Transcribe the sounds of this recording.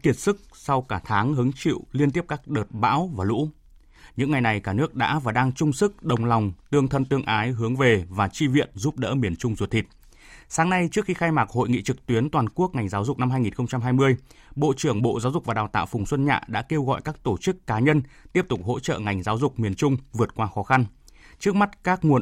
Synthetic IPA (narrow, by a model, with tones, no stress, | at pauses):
ki˧˩ət̚sɨ˦˥k̚sa˧wkaː˧˩t̪ʰaː˨˦ŋɦɨ˨˦əŋt͡ɕḭ˧˨wli˧ənt̪i˦˥əp̚kaː˦˥k̚ɗəː˨˩t̚ɓa̰ː˧˥wvaː˨˩lṵ˧˥ | ɲɨ̰˧˥ŋːa˨˩jna˨˩jkaː˧˩nɨ˦˥ək̚ɗa̰ː˧˥vaː˨˩ɗaː˧ŋt͡ɕʊ˧ŋ͡msɨ˦˥k̚ɗə˨˩wŋ͡mlɔ˨˩wŋ͡mt̪ɨ˧əŋt̪ʰə˧nt̪ɨ˧əŋʔaː˨˦jɦɨ˨˦əŋve˨˩vaː˨˩t͡ɕi˧vḭ˧˨ənzu˦˥p̚ɗə̰ː˧˥mi˨˩ənt͡ɕʊ˧ŋ͡mzu˨˩t̪ʰi˨˩t̚ | saː˨˦ŋna˧jt͡ɕɨ˦˥ək̚xi˧xaː˧jmaː˨˩ho̰˧˨jŋḭ˧˨t͡ɕɨ˨˩k̚t̪wi˨˦ənt̪waː˨˩nku˦˥ək̚ŋa˨˩jŋ̟zaː˨˦wzʊ˨˩k͡p̚na˧mɦaː˧jŋi˨˩nxə˧ŋ͡mt͡ɕa˧mɦaː˧jmɨ˧əj | ɓo̰˧˨t͡ɕɨ˧˩əŋɓo̰˧˨zaː˨˦wzʊ˨˩k͡p̚vaː˨˩ɗaː˨˩wt̪a̰ː˧˨wfʊ˨˩ŋ͡mswə˧nɲa̰ː˧˨ɗa̰ː˧˥ke˧wɣɔ̰˧˨jkaː˦˥k̚t̪o˧˩t͡ɕɨ˦˥kːaː˨˦ɲə˧nt̪i˦˥əp̚t̪ʊ˨˩k͡p̚ho̰˧˥t͡ɕə̰ː˧˨ŋa˨˩jŋ̟zaː˨˦wzʊ˨˩k͡p̚mi˨˩ənt͡ɕʊ˧ŋ͡mvɨ˨˩ət̚kwaː˧xɔ˨˦xa˧n | t͡ɕɨ˦˥ək̚ma˦˥t̚kaː˦˥k̚ŋu˨˩ə